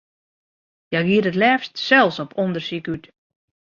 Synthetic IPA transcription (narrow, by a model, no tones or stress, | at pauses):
jɛjɡiədətlɛːfstsɛlˠsɔpɔndərsikyt